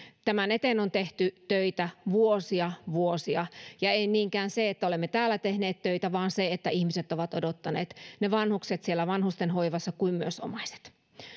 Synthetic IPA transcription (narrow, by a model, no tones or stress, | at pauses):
t̪æmænet̪enont̪eht̪yt̪øit̪æʋuosiɑʋuosiɑjɑeiniːŋkæːnseet̪ːæolemːet̪æːlːˑæt̪ehneːt̪t̪øit̪æʋɑːnseet̪ːæihmiset̪oʋɑt̪odot̪ːɑnḛːt̪neʋɑnhukset̪sielːæʋɑnhust̪enɦoiʋɑsːɑkuimmyøso̰mɑise̥t̪